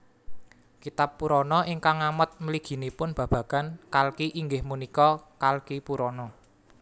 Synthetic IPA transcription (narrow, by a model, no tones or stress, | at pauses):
kit̪apːuɾɔnɔʔɪŋkaŋamət̪̚məliɡ̥i̤nipʊnb̥ä̤b̥ä̤ɡ̥a̤nkalkiʔiŋɡɪhmunikɔkalkipuɾɔnɔ